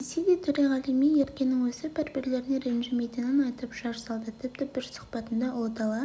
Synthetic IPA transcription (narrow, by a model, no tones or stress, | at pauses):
esed̪et̪ʰɵɾeʁɑlˠijmijeɾkʲe̞nːɪŋwɵsɪpɪɾbɪɾle̞ɾɪneɾenʒɪmejt̪ɪnɪnɑjt̪əpʒ̥ɑɾsɑlˠd̪ət̪ʰɪp̚t̪ɪb̥ɪɾsʊ̥χpɑt̪ənd̪ɑʔod̪ɑlˠɑ